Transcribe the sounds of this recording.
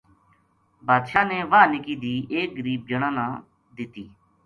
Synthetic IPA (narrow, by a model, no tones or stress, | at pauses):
bʱaːd̪ʃãːneːʋaːnɪkiːd̪iːʔeːk̚ɡəɾiːb̚d͡ʒəɽ̃ãːnãː | d̪ɪt̪iː